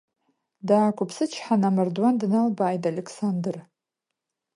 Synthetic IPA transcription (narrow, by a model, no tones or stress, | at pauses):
daːkʷʰʼʊpʰsɨt͡ʃʰħanamɨrdwandɨnalbaːjdalʲekʰsandɨr